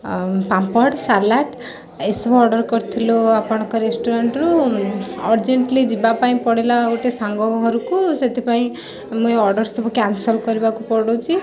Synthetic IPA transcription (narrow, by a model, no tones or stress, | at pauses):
pampɔɽsalaʈ | esɔbɔɾɖɔɾkɔɾt̪ʰiloapɔɽ̃ɔ̃kɔɾesʈuɾaɳʈɾu | ɔɾd͡ʒeɳʈlid͡ʒibapaĩpɔɽilaoʈesaŋɡɔɦɔɾukuset̪ʰipaĩ | mũeɔɾɖɔɾsɔbʱɔkansɔlkɔɾibakupɔɽowt͡ʃʰi